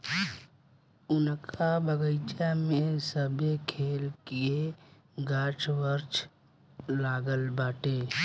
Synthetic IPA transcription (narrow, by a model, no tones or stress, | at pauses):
ʊnkʰabəɡəɪt͡ʃamẽsəbʱekʰeːlkie | ɡaːt͡ʃʋəɾt͡ʃʰ | laːɡəlbaːʈeː